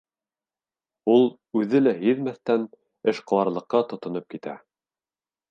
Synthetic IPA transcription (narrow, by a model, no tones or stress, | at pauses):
ulˠ | ʉðɘlæɦiðmæθt̪æn | ɘʃqŏwɑɾlˠɤ̆qːɑt̪ŏt̪ŏnɤp̚kit̪æ̰